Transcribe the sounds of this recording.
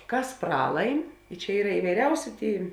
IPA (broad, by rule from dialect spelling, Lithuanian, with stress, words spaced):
ˈkɐs ˈprɑːlˠɐɪm t͡ʃʲɛ ˈiːrɐ ɪʋɐɪˈrʲɛʊsʲɪ ˈtʲeːɪ